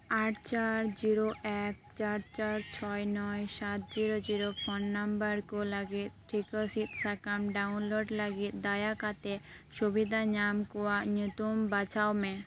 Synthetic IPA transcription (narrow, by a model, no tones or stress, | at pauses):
aʈt͡ɕaɾd͡ʑiɾoʔɛk̚t͡ɕaɾt͡ɕaɾt͡ɕʰɔjnɔjʃat̪̚d͡ʑiɾod͡ʑiɾofʰɔnːambaɾkolaɡit̪̚ʈʰːikosit̪sakamɖawnloɖlaɡit̪̚d̪ajakat̪eʃubid̪ʱaɲamkowaɲut̪umbat͡ɕaomɛ